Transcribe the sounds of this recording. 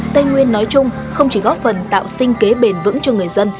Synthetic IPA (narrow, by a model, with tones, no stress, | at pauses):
t̪ə˧jŋwi˧ənːɔ˨˦jt͡ɕʊ˧ŋ͡m | xə˧wŋ͡mt͡ɕi˧˩ɣɔ˨˦˥p̚fə˨˩nt̪a̰ː˧˨wsï˧ŋ̟ke˨˦ɓe˨˩nvɨ̰˧˥ŋt͡ɕɔ˧ŋɨ˨˩əjzə˧n